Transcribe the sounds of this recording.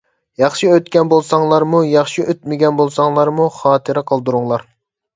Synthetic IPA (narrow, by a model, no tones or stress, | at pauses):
jɑχʃiøt̪kʲɛnbolˠsɑŋlˠɑɾmujɑχʃiøt̪̚mɪɡʲɛnbolˠsɑŋlˠɑɾmuχɑːt̪ʰɨɾɛqʰɑlˠd̪uɾuŋlˠɑɾ